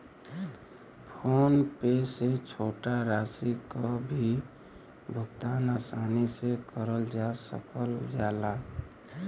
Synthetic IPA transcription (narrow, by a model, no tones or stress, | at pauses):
pʰonpeset͡ʃʰoʈaɾasikɔbʱi | bʱʊkt̪anasanisekəɾəld͡ʒasə̰kəld͡ʒala